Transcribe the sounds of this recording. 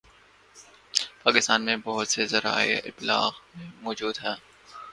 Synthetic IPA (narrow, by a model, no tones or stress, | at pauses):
paːkɪst̪aːnmẽbɔɦʊt̪sezɐɾa̰ːḛɪ̰b̪la̰ːqmẽmɔːd͡ʒuːd̪ɦɛː